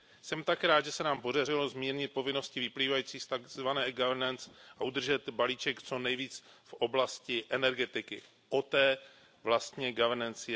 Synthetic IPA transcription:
sɛmt̪akɾaːd̪ʒɛsɛnaːmpo̞darɪlo̞zmiːɾɲɪt̪̚po̞vɪno̞scɪvɪpliːvajiːt͡siːst̪aɡzvanɛːɡavɛɾnɛnt͡sʔaʔud̪r̩ʒɛt̪baliːt͡ʃɛkt͡so̞nɛjviːt͡sfʔo̞blascɪʔɛnɛɾɡɛt̪ɪkɪ | ʔo̞t̪ɛː | vlast̪ɲɛɡavɛɾnɛnt͡sɪ

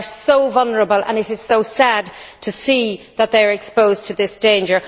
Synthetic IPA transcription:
soʊvʌlˠnəɹəbəlˠə̰̃nɪɾɪz̥soʊsad̚tʰəsiːðət̪̚ðeɪə˞ɛkspoʊztʰəðɪsd̥ẽɪ̃nd͡ʒə˞

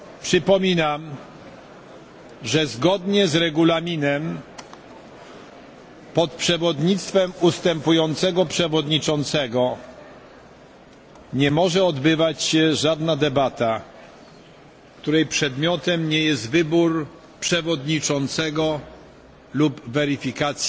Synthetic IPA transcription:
pʂɘpɔmʲinam | ʐɛzɡɔd̪ɲɛzɾɛɡulamʲinɛm | pɔt̪̚pʂɛvɔd̪ɲit̪st̪fɛmust̪ɛmpujɔnt̪sɛɡɔpʂɛvɔd̪ɲit͡ʂɔnt̪sɛɡɔ | ɲɛmɔʐɛɔd̪bɘvat͡ɕɕɛʐad̪nad̪ɛbat̪a | kt̪uɾɛjpʂɛd̪mʲjɔt̪ɛmɲɛjɛst̪vɘbuɾ | pʂɛvɔd̪ɲit͡ʂɔnt̪sɛɡɔ | lubvɛɾifʲikat̪sʲ

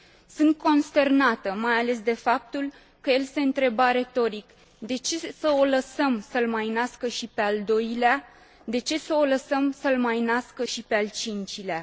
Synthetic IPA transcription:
sɨnt̪̚ko̞nst̪e̞rnat̪əmajale̞s̬d̪e̞fap̚t̪ul | kəje̞lse̞ɨnt̪ɾe̞baɾe̞t̪o̞ɾik | d̪e̞t͡ʃe̞səo̞ləsəmsəlmajnaskəʃipe̞ald̪o̞jlea | d̪e̞t͡ʃe̞səo̞ləsəmsəlmajnaskəʃipe̞alt͡ʃint͡ʃilea

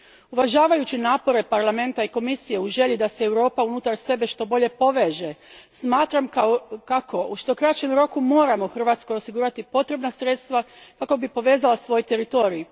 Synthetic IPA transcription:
uʋaʒaːʋajut͡ɕinaːpo̞ɾe̞paɾlame̞nt̪aiko̞misije̞uʒe̞ʎid̪ase̞ːwɾo̞ːpaunut̪aɾse̞be̞ʃt̪o̞bo̞ʎe̞po̞ʋe̞ːʒe̞smaːt̪ɾamkkako̞uʃt̪o̞kɾat͡ʃe̞mɾo̞kumo̞ːɾamo̞xr̩ʋaːt̪sko̞jo̞siɡuːɾat̪ipo̞t̪ɾe̞bnasɾe̞t̪st̪ʋakako̞bipo̞ʋe̞ːzalˠasʋo̞jt̪e̞ɾit̪o̞ːɾii

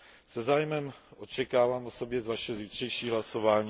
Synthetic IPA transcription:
sɛzaːjmɛmʔo̞t͡ʃɛkaːvaːmoso̞bjɛzvaʃɛoziːt̪r̝̥ɛjʃiːɦlaso̞vaːɲiː

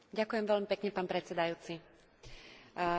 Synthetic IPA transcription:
ɟakʊjɛmʋɛʎmipɛkɲɛpaːnpɾɛt͡sɛd̪ajuːt͡si

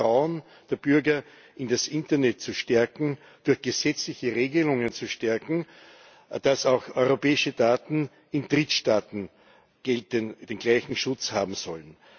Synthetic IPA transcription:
ʁaʊən | d̥eːɐb̥ʏɐɡɐ | ʔɪndasʔɪ̃ntɐnɛt̚t͡suʃtɛɐkŋ̩ | d̥ʊɐxɡ̥əzɛt͡slɪçəʁeːɡəlʊŋənt͡suʃtɛɐkŋ̩ | d̥asaʊxɔʏʁopɛːɪʃədaːtn̩ | ɪndʁɪtʃtaːtn̩ | ɡ̥ɛlt̚ənd̥eːnɡ̥laɪçŋ̩ʃʊt͡shaːbm̩sɔlən

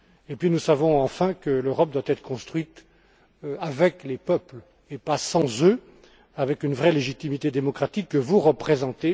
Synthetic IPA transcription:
epɥinusavɔ̃ɑ̃fɛ̃kəløʁɔp̚d̪wat̪ɛt̪χə̥kɔ̃st̪χwɥit̪ | avɛklepœpl | epasɑ̃zø | avɛkynvʁɛleʒit̪imit̪ed̪emɔkχat̪ikːəvuʁəpχezɑ̃t̪e

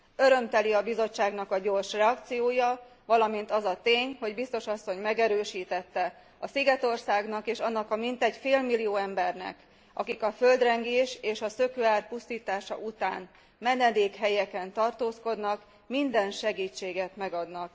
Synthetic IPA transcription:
ø̞ɾø̞mt̪ɛliɒbizo̞t͡ʃːaːɡnɒkɒɟo̞rʃrɛɒkt̪sijoːjɒ | vɒlɒmint̪ɒzɒt̪eːɲho̞ɟbist̪o̞ʃɒsːo̞ɲmɛɡɛɾøːʃiːt̪ɛt̪ːɛ | ɒsiɡɛt̪o̞rsaːɡnɒkeːʃɒnːɒkɒmint̪ɛɟfeːlmilːijoːɛmbɛrnɛ̰k | ɒ̰kikɒfø̞ld̪rɛŋɡeːʃeːʃɒsø̞køaːrpust̪iːt̪aːʃɒ̰ʔut̪a̰ːn | mɛnɛd̪eːkɦɛjɛkɛnt̪ɒrt̪oːsko̞d̪nɒk | mind̪ɛnʃɛɡiːt͡ʃːeːɡɛt̪mɛɡɒd̪nɒk

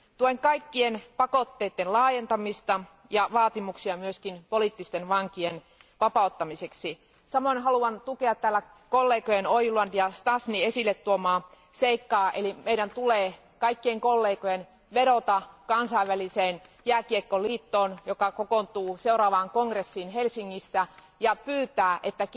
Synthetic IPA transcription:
t̪uoeŋkɑikːienpɑkot̪ːeːt̪ːenlɑːjent̪ɑmist̪ɑ | jɑʋɑːt̪imuksiɑmyøskinpolit̪ːist̪enʋɑŋkien | ʋɑpɑˑut̪ːɑmiseksi | sɑmoinɦɑluɑnt̪uke̞ɑt̪t̪æːlːæ | kolːeːkojenojluɑnjɑst̪ɑsniesilːet̪tuomɑː | seikːɑːʔelimeiɾænt̪uleː | kɑikːieŋkolːeːkojen | ʋeɾot̪ɑkɑnsɑiʋʋæliseːnjæːkiekːoliːt̪ːoːnjokɑkokont̪uːseuɾɑːʋɑːŋkoŋɡresːinɦelsiŋːisːæ | jɑpyːt̪æːʔet̪ːæ

